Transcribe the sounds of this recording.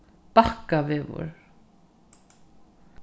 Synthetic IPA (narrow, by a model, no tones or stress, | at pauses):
pahkavɪvɔ̰ɾ